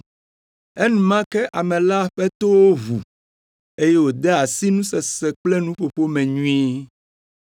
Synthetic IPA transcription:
ɛ˦nũ˨mã˦kɛ˦ʔa˨mɛ̃˨la˦a˨ɸɛ˦t̪o˦wo˦βu˨ | e˦jɛ˦wo˨d̪ɛ˦a˨si˦nũ˦sɛ˨sɛ˨k͡plɛ˦nũ˦ɸo˨ɸo˦mɛ̃˨ɲũ˦i˦

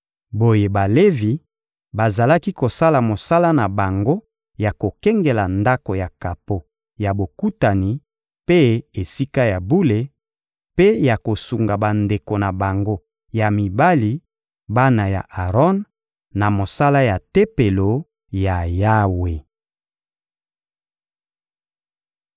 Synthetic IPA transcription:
bo˨je˨ba˨le˦vi˨ | ba˨za˨la˦ki˦ko˨sa˦la˨mo˨sa˦la˦na˨ba˨ŋɡo˦ | ja˨ko˨kɛ˦ŋɡe˨la˨nda˦ko˨ja˨ka˨po˨ | ja˨bo˨ku˦ta˨ni˨ | pe˦e˨si˦ka˦ja˨bu˦le˨ | pe˦ja˨ko˨su˨ŋɡa˨ba˨nde˨ko˨na˨ba˨ŋɡo˦ | ja˨mi˨ba˦li˨ | ba˦na˨ja̰˨ʔa˨ʁɔ˦n | na˨mo˨sa˦la˦ja˨te˦pe˨lo˨ | ja˨ja˦we˨

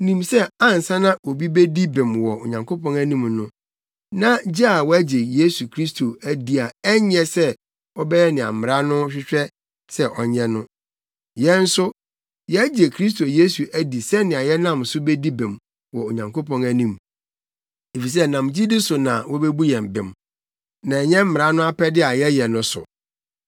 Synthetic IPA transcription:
nĩ˨msɛ˦ã˦n˨sã˦nã˦ʔo˨bi˦be˦di˦bɪ̃˨mwɔ˨o̰˨ɲã˨ŋkʰo˦pʰɔ̃˦næ˦nĩ˦mnʊ̃˦ | nã˦d͡ʑi˦a˨wɔ˦æ˦d͡ʑe˨je˦su˨kʰɾi˦stʰo˨æ˦di˦a˨ɛ˦ɲ˦ɛ˨sɛ˦ | ɔ˦bɛ˦jɛ˦nɪ̃˨ã̰˨m˨m˨ɾa˦nʊ̃˦ɕᶣɪ˦t͡ɕᶣɛ˦ | sɛ˦ʔɔ˨ɲɛ̃˦nʊ̃˦ | jɛ̃˦n̩˦sʊ˦ | jɛ˦d͡ʑe˨kʰɾi˦s̬tʰo˨je˦su˨ʔæ˦di˨sɛ˦nɪ̃˨a˨jɛ˦nã˦msʊ˦be˦di˦bɪ̃˨m | wɔ˨o˨ɲã˨ŋkʰo˦pɔ̃˦næ˦nĩ˦˨m | e˨fi˨s̬ɛ˦nã˨m˨d͡ʑi˦dɪ˦sʊ˨nã˨wɔ˦be˦bu˦jɛ̃˨m˨bɪ̰̃˨m | nã˨ɛ˨ɲɛ̃˦m̩˦mɪ˨ɾa˦nʊ̃˦a˦pʰɛ˦dɪ˦a˨jɛ˦jɛ˨nʊ̃˦sʊ̰˨

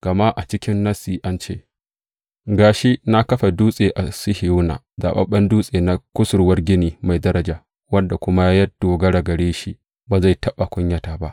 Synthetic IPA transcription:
ɡ̥ɐ˨ma˦ʔa˨t͡ʃɪ˦kʲɪ˦nːɐ˦siː˨ʔa˦nt͡ʃḛː˦ | ɡaː˨ʃi˦na˦kɐ˦ɸa˨duː˦sʼeː˨ʔa˨sɪ˦hɪ˨juː˦na̰ː˨ | za̰ː˨ɓɐ̰˦ɓɐ˦nduː˦sʼeː˨na˦kʷʊ˦sʊ˨rwɐ˦rɡʲɪ˦niː˨ma˨jdɐ˦ɾɐ˨d͡ʒaː˨ | wɐ˦nda˨kʷʊ˦ma˦jɐ˦d̥oː˨ɡɐ˦ɽa˨ɡɐ˨ɽeː˦ʃi˦ | baː˨za˦˨jtɐ˦ɓa˨kʷʊ˦ɲjɐ˦taː˨ba˦ʔ

